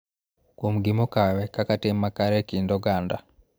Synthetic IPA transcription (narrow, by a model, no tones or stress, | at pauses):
kumuɡimokawekakatemːakaɾekiːndoɡaːnda